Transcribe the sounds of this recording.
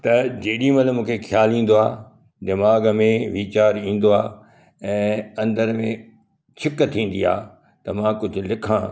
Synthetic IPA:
t̪ɐd͡ʑeːɗimɐlmũːkʰexʰjaːlĩːn̆d̪oaː | d̪ɪmaːɡmẽʋiːt͡ɕaːɾĩːn̆d̪oaː | ɛ̃ːɐ̃nd̪əɾmẽ | t͡ɕʰɪkt̪ʰĩːn̆d̪ia̰ː | t̪ɐmãːkʊd͡ʑʱʊ̆lɪkʰã

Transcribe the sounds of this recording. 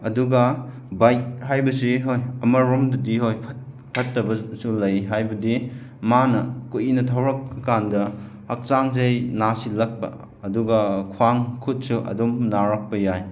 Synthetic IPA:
ɐduɡɐ | bajt̚hajbɐsiɦojɐmɐɾɔmdɐdiɦojpʰt̚ | pʰɐtːɐbɐsulɐjɦajbɐdi | manɐkujinɐtʰawɾɐk̚ɐkandɐ | hɐk̚t͡ʃaŋzɐjnasilɐk̚pɐ̰ | ɐduɡɐkʰwaŋkʰut̚suʔɐ̰dumnaɾak̚pɐjaj

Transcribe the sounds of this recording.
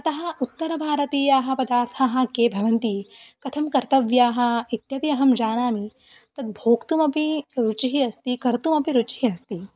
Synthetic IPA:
ɐt̪ɐɦɐ̆ut̪ːɐɾɐbʱaːɾɐt̪eːjaːɦɐ̆pɐd̪aːɾt̪ʰaːɦɐ̆keːbʱɐʋɐnt̪ikɐt̪ʰɐmkɐɾt̪ɐʋjaːɦɐ̆it̪jɐpiɐɦɐmd͡ʒaːnaːmi | t̪ɐt̪̚bʱoːkt̪umɐpiɾut͡ʃiɦiɐst̪ikɐɾt̪umɐpiɾut͡ʃiɦiɐst̪i

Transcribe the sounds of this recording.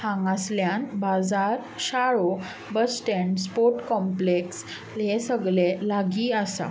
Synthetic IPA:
hãŋɡasljãnbad͡zaɾɕaɭo | bəsʈẽɳɖspoɾʈkɔ̃mpleks | lẽsəɡɭelaɡiəsa̰

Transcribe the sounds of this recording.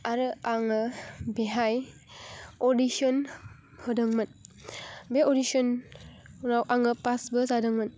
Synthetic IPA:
aɾɯaŋɯbeɦaj | ɔdisɔn | hɔdɯŋmɯn | beodisɔn | nawʔaŋɯpasbɯzadɯŋmɯn

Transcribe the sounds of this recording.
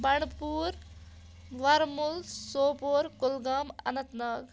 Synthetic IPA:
bɐɳ̃puɾ | ʋɐɾmulsoːpoɾkulɡamɐ̰nɐt̪nəɡ

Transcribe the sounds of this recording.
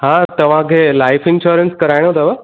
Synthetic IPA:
ɦãːt̪ɐʋ̤ãkʰeːlaːɪfɪ̃nʃuɾənskɐɾaːɪɽ̃ot̪ɐʋə

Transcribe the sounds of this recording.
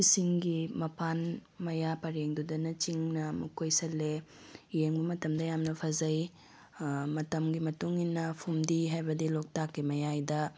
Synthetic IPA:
isiŋɡimɐpʰanmɐjapɐɾeŋdudɐnɐt͡ʃiŋnɐmukʰojsɐlːe | jeŋbɐmɐtɐmdɐjamnɐpʰɐzɐj | mɐtɐmɡimɐtuŋinːɐpʰumdiɦajbɐdilok̚takːimɐjajdɐ

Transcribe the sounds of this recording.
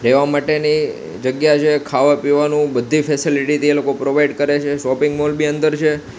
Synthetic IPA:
ɾeʋamaʈeni | d͡ʒəɡjat͡ʃʰekʰaʋapiʋanũbəd̪ʱːifɛsiliʈit̪ʰielokopɾoʋaiɖkəɾet͡ʃʰeʃɔpɪŋɡmolbiənd̪əɾt͡ʃʰe

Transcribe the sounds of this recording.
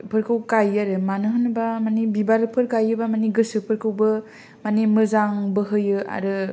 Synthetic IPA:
pʰɯɾkʰɯwkajaɾɯmanɯɦɯnɯbamanibibaɾɯpʰɯɾkajɯbamaniɡɯsɯpʰɯɾkʰɯwbɯ | manimɯzaŋbɯɦɯjɯa̰ɾɯ

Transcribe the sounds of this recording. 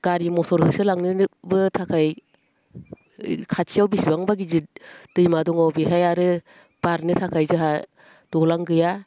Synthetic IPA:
ɡ̥aɾimɔsɔɾhɯsɯlaŋnɯbɯtʰakʰaj | kʰasʰijawbisibaŋbaɡizɯt̚d̥ɯjmadɔŋawbiɦajaɾɯ | b̥aɾnɯtʰakʰajzɯɦa | d̥ɔlaŋɡɯja

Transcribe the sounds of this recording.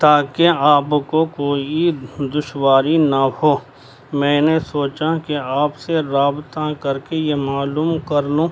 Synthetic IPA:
t̪aːkeaːpkokoːid̪ʊʃwaːɾinahoː | mɛ̃ːnesoːt͡ʃakeaːpseɾaːbt̪akɐɾkejemaːluːmkɐɾloː

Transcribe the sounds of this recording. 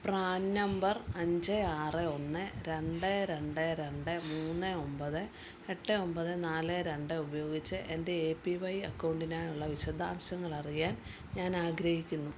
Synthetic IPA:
praːnːɐmbɐrɐɲd͡ʑɨaːrɨo̞nːɨɾe̞ɳɖɨɾe̞ɳɖɨɾe̞ɳɖɨmuːnːɨombɐðɨ | eʈːɨo̞mbɐðɨnaːlɨɾe̞ɳɖɨubɐjo̞ːɡit͡ɕːɨʔende̞eːpːiʋɐjɐkːɐwɳɖinaːjuɭːɐʋiɕɐd̪ʱaːmɕɐŋːɐɭɐrijaːn | ɲaːnaːɡɾɐhikʲːunːu

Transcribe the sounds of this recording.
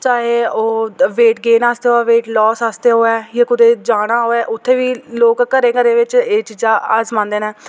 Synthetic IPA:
t͡ʃaːɦeːoːʋeːʈɡeːnaːst̪eːɦoːɛːʋeːʈlɔːsaːst̪eːɦoːɛːjaːkʊd̪eːd͡ʒaːɽ̃aːɦoːɛːʔʊt̪ʰːeːʋiːloːkːəɾẽːkəɾeːʋɪt͡ʃeːt͡ʃiːzaːəsmãːnd̪eːnɛ̃ː

